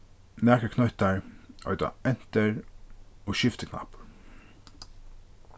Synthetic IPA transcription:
mæːkəkʰnœt̪əɹʔœ̰ʏd̪ɑ̰ɛnt̪əɹ | oːʃɪft̪əkʰnɑ̰p

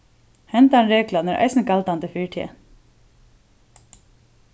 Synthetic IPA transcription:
hɛnt̪anɾeːklanɛɹʔɑ̰ɪjsnkʰalt̪and̪əfiɹʈʰḭːə̰

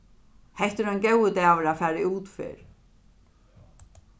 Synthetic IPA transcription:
hɛjht̪ʏɾœncewɪt̪ɛːvɪɾafaːɾɪuːt̪fɪ̰ɾ̥

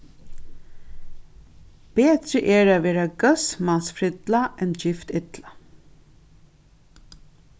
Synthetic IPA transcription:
b̥eːt̪ɾəʔɛɹaʋeːɾaɡœsmansfɾɪt̪laʔɛnd͡ʒɪft̪ɪt̪la

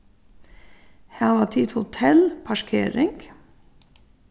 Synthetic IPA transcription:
hæːʋɑːt̪ʰiːd̪hʊt̪ʰɛlpʰɑʃkʰḛːɾɪŋɡ̥

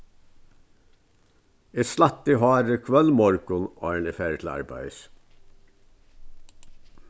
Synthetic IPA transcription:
eslɑt̪iɦɑːɾəkʰʋœlmɔɾɡʊno̰ːɳifeːɾət̪ʰl̩ɑ̰ɾbæ̰ɪəs

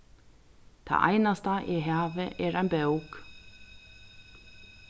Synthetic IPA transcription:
θʰa̰ʔa̰jnast̪aʔɛɦaːvɪʔɛɾajnbewk

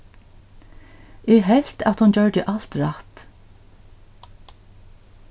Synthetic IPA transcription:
ɛɦɛl̥t̪a̰t̪hʊnt͡ɕœɹd̪ɪʔal̥t̪ɹaht̪

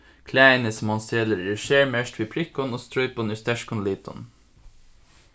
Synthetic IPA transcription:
kʰlæɪnəsmɑnst̪eləɾɪʃeːɹmɛʃt̪ʰʋiːpʰɾɪkːɔnoːst̪ɾɔʏpoːnʏst̪ɛʃkɔnliːt̪ʰɔ̰n

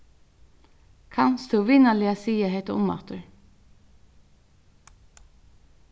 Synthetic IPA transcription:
kʰanst̪ʰuwʋiːnalɪasiːjaɦɛt̪aʊmːɑ̰t̪ʊɹ

